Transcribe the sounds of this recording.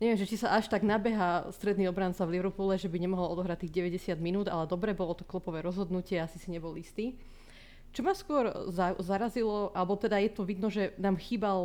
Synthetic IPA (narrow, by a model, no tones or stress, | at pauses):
ɲɛʋɛmʒɛt͡ʃisaʔaʃt̪aɡnabɛɦast̪ɾɛd̪niːɔbɾant͡saʋliʋɾpulɛʒɛbiɲɛmɔɦɔlɔd̪ɔɦɾact̪ːiːɣɟɛʋɛɟɛsɪad̪minuːd̪a̰lɛd̪ɔbɾɛbɔlɔt̪ɔ̥klupɔʋɛːɾɔzɦɔd̪nucɪɛasisiɲɛbɔlist̪iː | t͡ʃɔmaskʊɔɾzazaɾazilɔʔalɛbɔt̪ɛd̪ajɛt̪ɔʋid̪nɔʒɛnaːmxiːbal